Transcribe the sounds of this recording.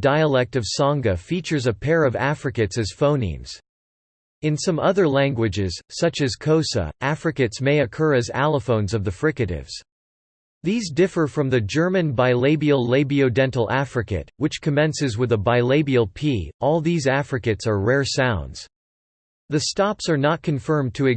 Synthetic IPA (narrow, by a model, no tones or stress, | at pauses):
d̥aɪəlɛk̚tʌv̥sɑ̃ŋɡɨfit͡ʃə˞zɨpʰɛɹʌvæfɹɨkɨtsɨz̥fõʊ̃nḭ̃mz̥ | ɨ̃nsʌ̃mʌðə˞læ̃ŋɡwɨd͡ʒɪz̥sʌt͡ʃɨz̥kʰoʊsə̰ʔæfɹɨkɨtsmeɪɨkʰɜ˞ɨzæ̰lˠəfõʊ̃nzʌvðɨfɹɪkɨɾɪ̰vz̥ | ðizdɪfə˞fɹʌ̃mðɨd͡ʒɜ˞mɨ̃nbaɪleɪbil̩ˠleɪbioʊdɛ̃ntˡl̩ˠæfɹɨkɨ̰t̚wɨt͡ʃkʰɨmɛ̃nsɨzwɨðəbaɪleɪbil̩ˠpʰiɔlˠðizæfɹɨkɨtsə˞ɹɛɹsãʊ̃ndz̥ | ðɨstɑpsə˞nət̚kʰɨ̃ɱfɜ̃˞mtʰɨɨ